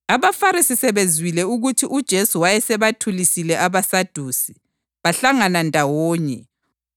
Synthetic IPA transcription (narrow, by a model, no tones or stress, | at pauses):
aβafaɾisisɛβezwilɛuɣutʰiʔud̥ʒ̥ʱesuwajɛsɛβatʰulisilɛʔaβasad̥ʱuːsi̥ | βaɬaŋanandʱawɔːɲɛ